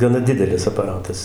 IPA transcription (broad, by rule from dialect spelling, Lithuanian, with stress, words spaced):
ɡɐˈnɐ ˈdʲɪdʲɛlʲɪs ɐpɐˈrɑːtɐs